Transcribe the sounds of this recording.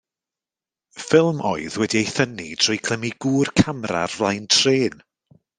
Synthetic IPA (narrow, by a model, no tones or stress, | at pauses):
fɪlˠmʔɔ̰ɨðwɛdiejθənitʰr̥ɔjkʰl̥əmiɡ̥uːrkʰamra̰rvlˠajntʰreːn